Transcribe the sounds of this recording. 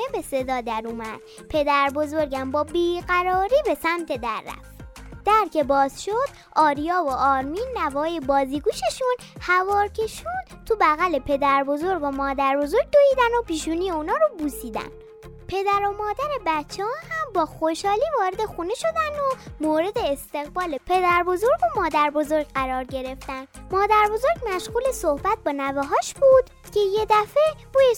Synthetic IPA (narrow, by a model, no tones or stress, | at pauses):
ebe̞se̞d̪ɒːd̪æɾuːmæd̪̥̚ | pʰe̞d̪æɾbo̞zo̞ɾɟæmbɒːbiːɣæɾɒːɾiːbe̞sæmt̪ʰe̞d̪æɾːæ̰ft̪d̪̥æɾcʰe̞bɒːz̥ʃod̪̥ | ʔɒːɾijɒːvoʔɒːɾminːævɒːjebɒːziːɡuːʃeʃun | hævɒːɾcʰe̞ʃuːd̪̥t̪ʰubæɣæle̞pʰe̞d̪æɾbo̞zo̞ɾbomɒːd̪æɾbo̞zo̞ɾɟ̚d̪oiːd̪ænopiːʃuːnijeuːnɒːɾobuːsiːd̪æ̰n | pʰe̞d̪æɾo̞mɒːd̪æɾe̞bætt͡ʃʰːeɒːhæmbɒːxo̞ʃɒːliːvɒːɾe̞d̪e̞xuːne̞ʃo̞d̪ænomoːɾe̞d̪e̞ːst̪e̞ɣbɒːle̞pʰe̞d̪æɾbo̞zo̞ɾɡo̞mɒːd̪æɾbo̞zo̞ɾɡɢæɾɒːɾɟe̞ɾe̞ft̪ænd̪mɒːd̪æɾbo̞zo̞ɾɟmæʃɣuːle̞sohbæt̪̚bɒːnæveɦɒːʃbuːd̪̥ | cʰe̞je̞d̪æfe̞buːje